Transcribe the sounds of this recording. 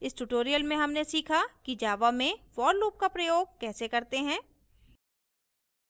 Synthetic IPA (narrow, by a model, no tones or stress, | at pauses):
ɪsʈuʈoːɾijəlmẽɦɐmnesiːkʰakid͡ʒaːʋamẽʋɔːɾluːp̚kapɾɐjoːɡ̚kɛːsekɐɾt̪eɦɛ̃ː